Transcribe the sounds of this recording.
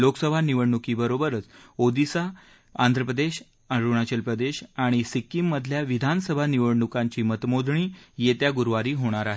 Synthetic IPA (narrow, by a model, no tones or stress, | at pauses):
loksəbʱaniʋəɽɳukiːbəɾobəɾət͡sod̪isa | and̪ʱɾəpɾəd̪eɕ | aɾuɳat͡ɕəlpɾəd̪eɕaɽ̃isikːimːəd̪ʱljaʋid̪ʱansəbʱaniʋəɽɳukãɲt͡ɕiːmət̪mod̪ʱɳiːjet̪jaɡuɾʋaɾiːɦoɽ̃aɾaɦe